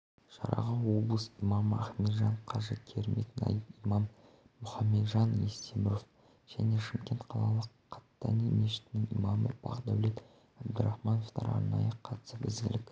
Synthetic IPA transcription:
ʒɑ̰ɾɑ̰ʁɑnwo̞blˠəsijmɑməæχme̞d̪ʒɑɴqʰɑʒəkʲʰeɾme̞k̪ʲɪnɑ̰j̪imɑmː | ʊχɑmːe̞d̪ʒɑnjest̪emɪɾo̞f | ʒ̥æne̞ʃɪmkʲe̞nt̪qʰɑlˠɑlˠəqʰːɑ̥t̪ːɑnimeʃɪ̥t̪ɪnɪŋḭmɑmə̰b̥ɑ̰qd̪æwle̞t̪ | æbd̪əɾɑχmɑno̞ft̪ɑɾɑ̰ɾnɑ̰jəqʰɑt̪səbɪzɡʲɪ̰lɪkʲ

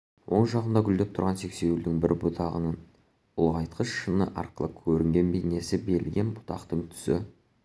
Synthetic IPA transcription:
wʔo̞ɴʒɑʁənd̪ɑɡʲʏld̪ep̚t̪ʰʊɾʁɑnse̞kse̞ɪld̪ɪŋbɪɾbʊt̪ʰɑʁə̰nən | ʊ̰lˠʁɑjt̪qʰəsʃənəʔɑ̰ɾqəlˠəkʲʰɵɾɪŋɡʲe̞nbene̞sɪbe̞lɡʲe̞nbʊ̥t̪ɑ̰qt̪əɴt̪ʰʏ̥sɪ̰

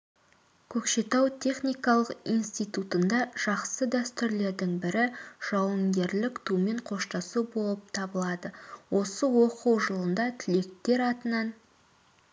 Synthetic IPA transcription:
kʲʰɵkʃe̞t̪ɑwt̪ʲʰe̞χnijkɑlˠəqijnst̪ijt̪ut̪ənd̪ɑʒ̥ɑqsəd̪æst̪ɪɾle̞ɾd̪ɪŋbɪɾɪʒ̥ɑwəŋɡʲe̞ɾlɪkt̪ʰume̞ɴqʰo̞ʃt̪ɑsubo̞lˠəp̚t̪ʰɑbəlˠɑd̪əwʔo̞səwo̞qəwʒəlˠənd̪ɑt̪ʰɪle̞k̚t̪e̞ɾɑt̪ənɑn

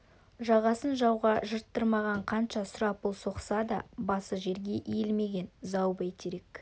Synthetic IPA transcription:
ʒɑʁɑsənʒɑwʁɑʒəɾt̪ːəɾmɑʁɑɴqʰɑnʃɑsʊɾɑpʊlˠso̞qsɑd̪ɑbɑsəʒe̞ɾɡʲe̞ʔijelme̞ɡʲe̞nzɑwbejt̪ʰeɾe̞k

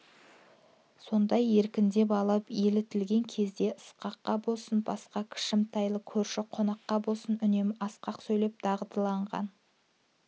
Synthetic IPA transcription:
so̞nd̪ɑje̞ɾkʲɪnd̪e̞pɑlˠəpelɪt̪ɪlɡʲe̞ŋkʲʰe̞zd̪e̞ʔəsqɑqːɑbo̞lˠsənbɑsqɑkʲʰɪ̥ʃɪmt̪ʰɑjlˠəkʲʰɵɾʃɪqʰo̞nɑqːɑbo̞lˠsənʏne̞mɑsqɑqsɵjle̞p̚d̪̥ɑʁəd̪əlˠɑɴʁɑ̰n

